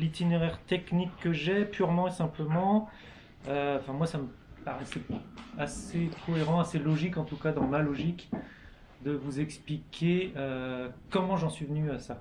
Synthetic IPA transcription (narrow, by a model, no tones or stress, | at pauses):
lit̪ineʁɛʁt̪ɛknikːəʒɛpyʁmɑ̃esɛ̃pləmɑ̃ | øɑ̃fɛ̃mwasamə | paʁɛsɛasekʰɔeʁɑ̃aselɔʒikɑ̃t̪ukad̪ɑ̃malɔʒik | d̪əvuzɛksplikʲʰeøkɔmɑ̃ʒɑ̃sɥivənyasa